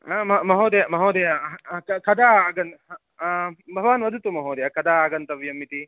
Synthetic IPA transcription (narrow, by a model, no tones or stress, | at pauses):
mɐmɐɦoːd̪ɐjamɐɦoːd̪ɐjakkɐd̪aːaːɡɐn | bʱɐʋaːnʋɐd̪ʱut̪umɐɦoːd̪ɐjakɐd̪aːaːɡɐnt̪ɐʋjɐmːit̪i